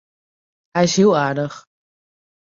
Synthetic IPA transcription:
hɛjɪsɦilˠaːɹdəx

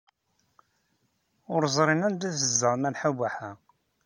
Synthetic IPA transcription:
ʊɾzˤɾˤinænd̪æθəzːəʁmælħabaħæ

